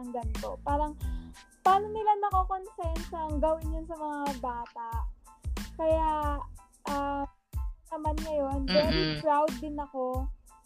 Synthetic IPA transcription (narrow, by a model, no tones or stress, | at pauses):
ɐŋɡɐnɪt̪o̞paːɾɐŋ | paːno̞nɪlanɐkokonsɛɛnsɐɐŋɡɐwɪnjʊnsɐmɐŋabaːt̪aʔkɐja | ʔɐ | ɐmanŋɐjo̞nvɛɾikɹawd̪ːɪnɐko̞